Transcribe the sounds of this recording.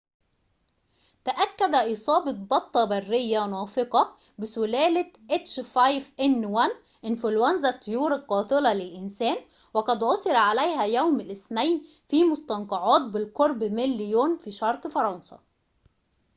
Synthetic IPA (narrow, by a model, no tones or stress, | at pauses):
t̪aʔækːæd̪æʔisˤɑːbɑt̪̚bɑt̪ˤːɑbærːɪjːænɑːfɪqɑ | bɪsʊlæːlɪʔet̪ʃfajfʔɪnːwæn | ʔɪnfʊlwænzæt̪ːʊjuːɾɑlqɑːt̪ɪlɑlɪlʔɪnsæːn | wɑqɑd̪ʕosˤɨɾʕalæjhæjawmɪlʔɪθnæjn | fiːmʊst̪ɑnqɑʕɑːt̪̚bɪlqoɾˤbmɪlːɪjoːnfiːʃɑɾˤqfɑɾˤɑnsɑ̰